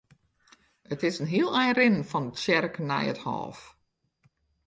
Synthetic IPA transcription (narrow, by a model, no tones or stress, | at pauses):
ətɪsənɦiəlˠɛjrɪnənfɔnət͡ʃɛrknɛ̰jə̰thɔ̰ːf